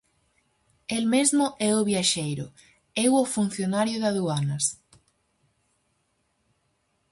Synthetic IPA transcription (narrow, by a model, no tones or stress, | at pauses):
elmezmʊʔɛʊβjaʃejɾʊ̰ | ɛwofun̟θjonaɾjʊðaðuanɐs